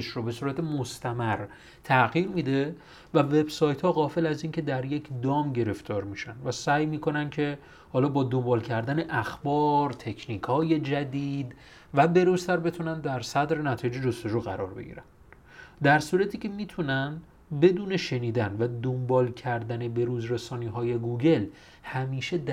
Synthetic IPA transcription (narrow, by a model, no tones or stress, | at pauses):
eʃɾobe̞suːɾæt̪ʰemost̪ʰæmæɾ | t̪ʰæʔɣiːɾmiːd̪e̞ | væve̞bsɒːjt̪ʰhɒːɣɒːfe̞læziːncʰe̞d̪æɾje̞cʰd̪ɒːmɟe̞ɾe̞ft̪ʰɒːɾmiʃænvæsæːjmiːkʰo̞næncʰe̞ | hɒːlɒːbɒːd̪o̞mbɒːlcʰæɾd̪æne̞ʔæxbɒːɾt̪ʰe̞cʰniːkʰɒːje̞d͡ʒæd̪iːd̪ | væbe̞ɾuːst̪ʰæɾbe̞t̪ʰunænd̪æɾsæd̪ɾe̞næt̪ʰɒːjed͡ʒed͡ʒost̪o̞d͡ʒuːɣæ̰ɾɒːɾbe̞̰ɟḭɾæn | d̪æɾsuːɾæt̪ʰiːcʰemiːt̪ʰunænd̪ | be̞d̪uːne̞ʃe̞niːd̪ænvæd̪ombɒːlcʰæɾd̪æne̞be̞ɾuːzɾesɒːniːɦɒːje̞ɡuɟe̞l | hæmiːʃe̞d̪